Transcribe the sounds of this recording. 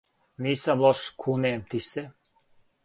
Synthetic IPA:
niːsamlˠoʃkʰuneːmt̪ise

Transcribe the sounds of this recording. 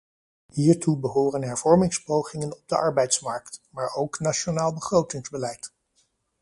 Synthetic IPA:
hiːɹtubəɦoːrənɦɛɹv̥ɔɹmɪŋspowχɪŋənɔb̚dəʔɑɹbɛjtsmɑɹktmaːɹowknaʃonaːlˠbəχrowtɪŋzbəlɛjt

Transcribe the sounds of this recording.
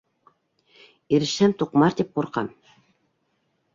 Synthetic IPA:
iɾɘ̆ʃænt̪uqmɑɾd̪ip̚quɾqɑ̰m

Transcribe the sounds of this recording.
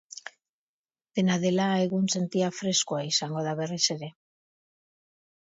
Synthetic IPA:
d̪̥e̞naðe̞lae̞ɣunse̞nt̪iafɾe̞skuaisaŋɡo̞ð̞aβ̞e̞riseɾe̞

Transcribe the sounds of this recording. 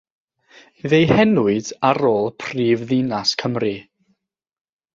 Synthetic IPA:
ðejhɛnuɨdaɾoːlˠpʰriːvðinaskʰəmri

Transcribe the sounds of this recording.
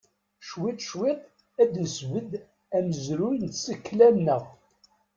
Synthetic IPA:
ʃwɪt̪ˤʃwɪt̪ˤ | æd̪əzvəd̪ | æməzɾujnt̪səkːlæmnəʁ

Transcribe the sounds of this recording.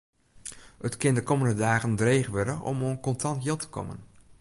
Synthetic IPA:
ətkɪndəkɔməndədaːɣəndreːχʋɛdəʔɔ̰monkɔntɑntjɪlˠtə̥kɔ̰mə̰n

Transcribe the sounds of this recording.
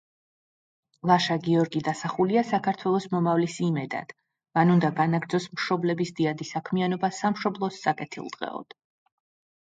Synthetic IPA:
lˠaʃaɡiɔɾɡid̪asaχuliasakʰaɾt̪ʰwɛlˠɔsmɔmavlisimɛd̪a̰d̪̥ | manund̪aɡanaɡɾd̪zɔsmʃɔblɛbisd̪iad̪isakʰmianɔbasamʃɔblˠɔstsʼakʼɛt̪ʰḭlˠd̪̥ʁɛ̰ɔ̰d̪̥

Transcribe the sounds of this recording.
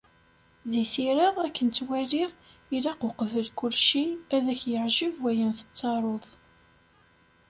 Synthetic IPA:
ðiθiɾəʁækːənt͡s̪ːwæliʁilaqʊqvəlkʊlʃiæðæçjəʕʒivwæjænθə̥t͡sːɑɾˤoðˤ

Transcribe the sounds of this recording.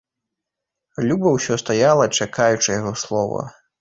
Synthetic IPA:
lʲubɐwsʲɔst̪ajalˠɐt͡ʂakʰajut͡ʂɨjaɣɔslˠɔvɐ̰

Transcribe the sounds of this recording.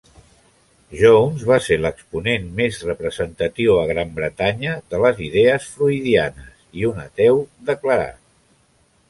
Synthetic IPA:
ʒownzβaseləkspunenmezrəpɾəzənt̪ət̪iwəɣɾambɾət̪aɲəðələziðɛəsfluiðianəsiunət̪ɛwd̪əkləɾa̰t̪

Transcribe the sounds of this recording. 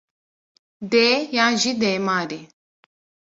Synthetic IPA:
d̪eːjãːʑid̪eːmaːɾe

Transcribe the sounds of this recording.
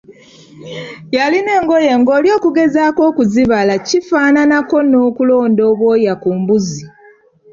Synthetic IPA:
jaline̞ːŋɡoje̞ŋɡo̞ːljo̞ːkuɡe̞zaːko̞ːkuziβalacifaːnanako̞no̞ːkulo̞ːndo̞ːβwo̞ːjakuːmbuzi

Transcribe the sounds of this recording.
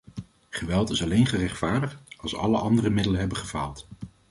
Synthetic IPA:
χəʋɛlˠtɪsɑlejnχərɛχtfaːɹdəχtɑlˠsɑ̰ləʔɑndərəmɪdələnɦɛbəχəv̥a̰ːlˠt

